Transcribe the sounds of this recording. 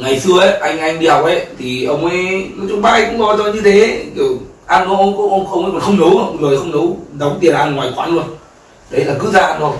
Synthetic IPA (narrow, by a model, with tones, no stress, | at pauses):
ŋa˨˩jsɨ˧əʔə˨˦ʔa˧jŋ̟ʔa˧jŋ̟ɗi˧ɗa˨˩w̚ʔə˨˦t̪ʰi˨˩ʔə˧wŋ͡mə˨˦jnɔ˨˦t͡ɕʊ˧˦ŋ͡mɓaː˧˥ʔŋkʊ̰˧˥ŋ͡mɓɔ˧˩t͡ɕɔ˧ɲɨ˧t̪ʰe˨˦ki˨˧˩wʔaː˧nkɔ˨˧˦ʔə˧wkɔ˧˦˥ʔə˧wŋ͡mxə˧wŋ͡mə˨˦kɔ˨˩nxə˧ŋ͡mnə˨˦wzoː˨˩jxə˧wŋ͡mnə˨˦wɗə˨˦wŋ͡mt̪i˨˩ənlaː˨˧nŋwaː˨˩jkwaː˧˦nlu˧ən | ɗə˨˦jlaː˨˩kɨ˦˥zaː˧a˧nzo˨˩j